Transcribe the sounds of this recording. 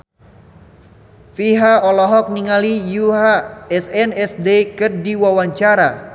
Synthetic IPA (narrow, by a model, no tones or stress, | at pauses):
fiɦaɔlɔɦɔk̚niŋalijuɦaɛsɛnɛsdekɨrdiwawaɲt͡ʃaɾa